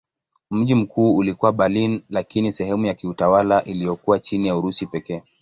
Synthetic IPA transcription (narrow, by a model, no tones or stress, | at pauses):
m̩ʄim̩kʰuːulikuwaɓalinlakinisɛhɛmujakiutawalaʔilijɔkuwat͡ʃinijauɾusipɛkɛː